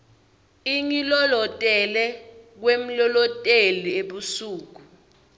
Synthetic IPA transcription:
iŋilɔlɔtʼɛlɛk̬wem̩lɔlɔtʼelieɓusuːk̬u

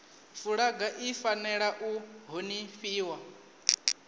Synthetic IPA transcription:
fuɺaɡaʔifanɛɺaʔuɦoniɸiːwa

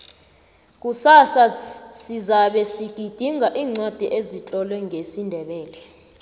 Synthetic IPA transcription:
k̬ʼusasasizaɓɛsiɡ̥̬ʱʼid̥ʱiŋʱaʔiːŋ͡ǀod̥ʱiʔezit͡ɬʼɔlwɛŋʱesindʱɛɓɛːlɛ

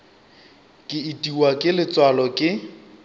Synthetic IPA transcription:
kʼɪitʼiwakʼɪlɪt͡swalɔkʼɪ

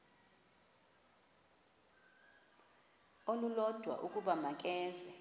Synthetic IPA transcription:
olulɔd̥ʱwa̰ʔukʼuɓamak̬ʼɛːzɛ

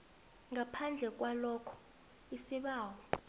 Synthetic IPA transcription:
ŋapʰand͡ɮʱɛk̬ʼwalɔkʰɔ̥ | isiɓaːwɔ

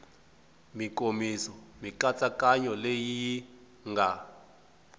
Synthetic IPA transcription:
mikʼomisɔmiǃat͡sʼakʼaɲɔlejiji | ŋɡʱa

